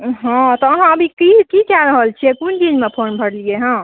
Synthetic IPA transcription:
ɦãt̪ɔəɦãəbʱikikikjaɾəɦəlt͡ʃʰiekund̪inmepʰonbʱəɽlieɦã

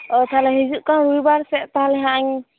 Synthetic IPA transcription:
ɔt̪ʰalɛɦizuʔkawɾujbaɾsɛʔt̪aɦalɛɦaʔaŋ

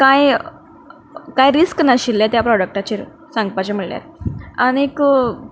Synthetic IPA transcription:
kaj | kajɾisknəɕilːet̪japɾɔɽək̚ʈat͡ɕi | sãŋɡ̚pat͡ɕem̤əɭlja̰t̪aɽ̃ik

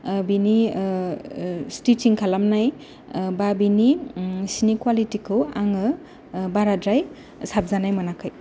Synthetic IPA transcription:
bini | stitiŋkʰalamnaj | babinisinikwalitikʰɯwaŋɯ | baɾadɾaj | sap̚zanajmanakʰaj

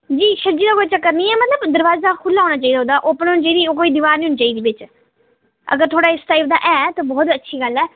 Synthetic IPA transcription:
d͡ʒiːʃəɾd͡ʒiːd̪aːkoːit͡ʃəkːəɾniːɛːmət̪ləbd̪əɾʋaːzaːkʰʊlːaːɦoːnaːt͡ʃaːiːd̪aːɦːd̪aːʔoːpənɦʊnt͡ʃaːiːd̪iːoːkoːiːd̪ɪʋaːɾniːɦʊnːt͡ʃaːiːd̪iːbɪt͡ʃ | ə̰ɡəɾt̪ʰoːɽaːɪsʈaip̚d̪a̰ːʔɛːt̪oːbɔːt̪ətːʃʰiːɡəlɛː

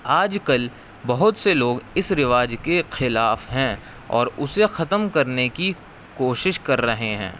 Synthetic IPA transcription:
aːd͡ʒkɐl | bɐɦʊt̪seloːɡɪsɾɪʋaːd͡ʒkexɪlaːfɦɛ̃ | ɔ̰ːɾʊsexɐt̪əmkɐɾneki | koːʃɪʃkɐɾːɐɦeɦɛ̰̃ː

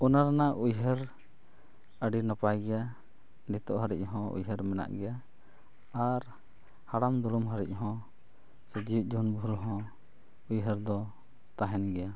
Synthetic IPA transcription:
ɔnaɾanaʔujɦəɾ | əɖinapajɡɛja | nit̪ɔʔɦaɾic̚ˀɦɔ̃ṵjɦəɾmɛna̰ʔɡɛjaː | ɾ | haɽamd̪ɔlumɦaɾḭc̚ˀɦɔ̃ | səd͡ʒid͡ʒunbʱuɾɦɔ̃ | ujɦəɾd̪ɔ | t̪aɦɛnɡɛja

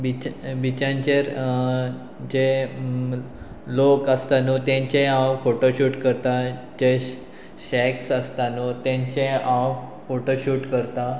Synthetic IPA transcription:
bit͡ɕbit͡ɕãɲt͡ɕeɾ | d͡ʑe | lokəst̪anut̪ãɲt͡ɕẽãwfoʈoɕuːʈkəɾt̪a | d͡ʑe | ɕɛksəst̪anot̪jãɲt͡ɕẽãwfoʈoɕuːʈkəɾt̪a

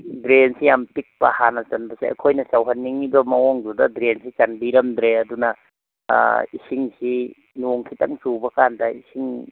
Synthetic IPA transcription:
dɾensijampik̚pɐhanɐt͡ʃɐnbɐsa̰a̰kʰojnɐsawɦanːiŋibɐmɐwɔŋdudɐdɾensit͡ʃanbiɾɐmd̪ɾeɐdunɐ̰ | isiŋsi | nuŋkʰitaŋt͡ʃubɐkandaisiŋ

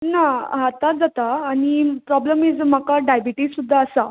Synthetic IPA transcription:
naɦat̪ad͡zat̪aːɽ̃ipɾɔbləmid͡zm̤akaɖajbiʈiːsud̪ʱːaːsa

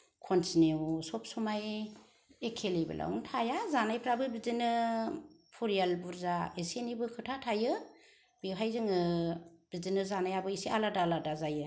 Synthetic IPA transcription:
kʰɔnsʰinewusɔp̚sumaj | ekʰelibɯ̰lʔa̰wuŋtʰajazanajpʰɾabɯbizinɯ | pʰuɾijalbuɾzaesenibɯkʰɯtʰatʰajɯ | b̥ewɦajzɯŋɯb̥izinɯzanajabɯisiʔaladaladazajɯ

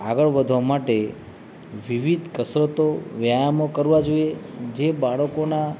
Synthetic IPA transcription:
aɡəɭʋəd̪ʱʋamaʈe | ʋiʋid̪ʱkəsɾət̪oʋjajamokəɾʋad͡ʒoied͡ʒebaɭəkona

